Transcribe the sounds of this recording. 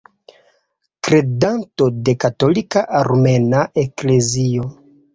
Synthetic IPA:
kɾe̞danto̞de̞kato̞likaʔaɾme̞naʔe̞kle̞zio

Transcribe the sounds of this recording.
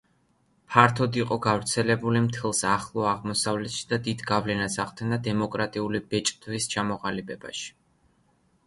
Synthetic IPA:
pʰaɾt̪ʰɔd̪iqʼɔɡavɾt̪sʰɛlɛbulimt̪ʰɛlˠsaχlˠɔaʁmɔsavlɛt̪ʃi̥d̪ad̪id̪ɡavlɛnasaʁd̪ɛnd̪ad̪ɛmɔkʼɾat̪ʼiulibɛt͡ʃʼd̪vist͡ʃʰamɔʁalibʼɛba̰ʃi̥

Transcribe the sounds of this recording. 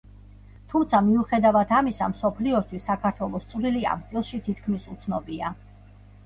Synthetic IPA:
t̪ʰumt̪sʰamiuχɛd̪avat̪ʰamisa̰msɔpʰliɔst̪ʰwisːakʰaɾt̪ʰwɛlˠɔst̪sʰʼvɾilia̰msʼilˠʃit̪ʰit̪ʰkʰmisut̪sʰnɔbia

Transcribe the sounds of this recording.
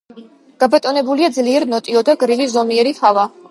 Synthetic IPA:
ɡ̥abat̪ʼɔnɛbuliad̪zliɛɾnɔt̪ʼiɔd̪aɡɾivizɔmiɛɾiχava

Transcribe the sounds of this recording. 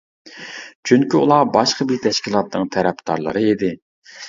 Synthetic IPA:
t͡ʃʰyŋkʲiṵlˠɑbɑʃqəbit̪ʰɛʃkʲilˠɑt̪̚nɨŋt̪ʰæɾɛpd̪ɑ̰ɾlˠə̰ɾɨed̪ɪ

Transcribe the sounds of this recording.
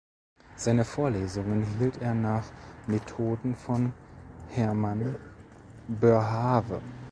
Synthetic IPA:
z̥aɪnəfoːɐleːzʊŋənɦiːlteːɐnaːχmetʰoːdn̩fɔnhɛɐman | bøɐɦaːvə̰

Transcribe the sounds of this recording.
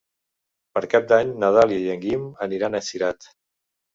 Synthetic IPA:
pəɾkap̚d̪aɲnəðaliəjəŋɡiməniɾanəsiɾat̪

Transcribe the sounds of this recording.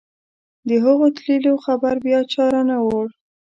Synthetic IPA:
d̪əɦəɣot̪liloxabaɾbjɑt͡ʃɑɾanawoɽ

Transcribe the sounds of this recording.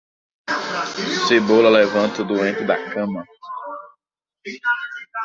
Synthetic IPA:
sebolɐlevɐ̃nt̪ɐud̪uẽnt̪ɪd̪ɐkɐ̃mɐ

